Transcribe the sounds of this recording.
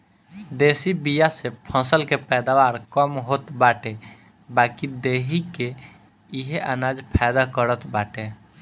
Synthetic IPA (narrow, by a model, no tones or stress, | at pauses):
d̪eːsibijasepʰɔ̃ːsəlkepɛːd̪aʋaːɾkəmɦoːt̪baːʈe | baːkid̪eːɦike | ɪɦeʔanaːd͡ʒpʰɛːd̪akəɾət̪baːʈe